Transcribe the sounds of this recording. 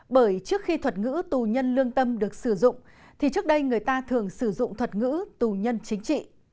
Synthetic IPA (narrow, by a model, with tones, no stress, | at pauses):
ɓəː˧˩jt͡ɕɨ˦˥ək̚xi˧t̪ʰwə˨˩t̚ŋɨ̰˧˥t̪u˨˩ɲə˧nlɨ˧əŋt̪ə˧mɗɨ˨˩ək̚sɨ˧˩zʊ̰˧˨ŋ͡m | t̪ʰi˨˩t͡ɕɨ˦˥ək̚ɗə˧jŋɨ˨˩əjt̪aː˧t̪ʰɨ˨˩əŋsɨ˧˩zʊ̰˧˨ŋ͡mt̪ʰwə˨˩t̚ŋɨ̰˧˥t̪u˨˩ɲə˧nt͡ɕï˨˦ŋ̟t͡ɕḭ˧˨